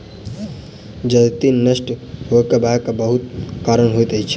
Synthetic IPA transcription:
d͡ʒət̪inəsʈhokebakabəɦut̪kaɾəɳɦojt̪ət͡ʃʰi̥

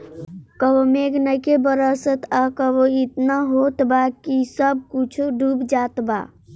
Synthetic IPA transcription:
kəbomeɡnəjkebəɾəsət̪akəboit̪naɦot̪bakisəb̚kut͡ʃʰɖʱubd͡ʒat̪ba̰

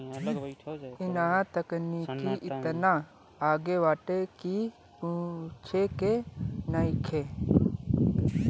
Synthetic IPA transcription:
ɪnat̪əknikiʔɪt̪na | aːɡeʋaːʈeki | put͡ʃʰekenaːɪkʰe

